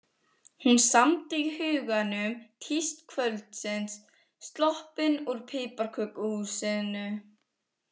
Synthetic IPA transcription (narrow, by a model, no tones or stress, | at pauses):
hunsamt̪iihʏːɣanʏmt̪ʰist̪kʰvœlt̪sɪnsː | t̪lɔhpɪnuɾpʰɪːpaɾkʰœːkʏhusɪðnʏ